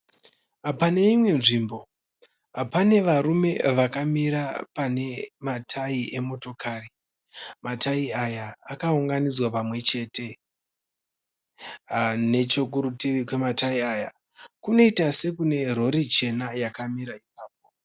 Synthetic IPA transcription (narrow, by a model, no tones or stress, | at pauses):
apane̞imwe̞nʐimbo̞ | apane̞ʋaɾume̞̰ʋakamiɾapane̞matʰaiʔe̞mo̞to̞kʰari | mataiajaːkauŋɡanid͡zwapamwe̞t͡ʃe̞ːte̞ | ne̞t͡ʃo̞kuɾutirikwe̞mataiaːja | kuno̞itase̞kune̞ro̞ɾit͡ʃe̞najakamiɾaip̚aːp̚o̞